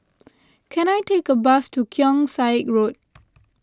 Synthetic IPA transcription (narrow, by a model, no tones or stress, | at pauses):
kʰɛ̃najtekəbastukʰjɔ̃ŋsaɪt̚ɹot̚